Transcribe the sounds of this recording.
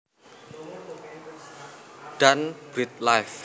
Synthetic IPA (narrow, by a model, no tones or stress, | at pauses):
ɖ̥anb̥ɾit̪̚lajf